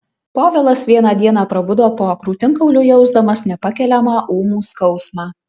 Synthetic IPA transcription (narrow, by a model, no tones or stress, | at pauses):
poːʋʲɛlˠɐsʋʲiɛnɑːd̪ʲiɛnɑːpɾɐbʊd̪oːpoːɐkɾuːt̪ʲɪŋkɐʊlʲʊjɛʊzd̪ɐmɐsnʲɛpɐkʲɛlʲɛmɑːʔuːmuːskɒʊsmɑː